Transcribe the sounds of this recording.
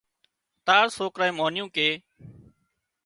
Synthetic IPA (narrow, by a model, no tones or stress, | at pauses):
t̪aːɾsoːkɾaːĩːmoːnɪjũːkeː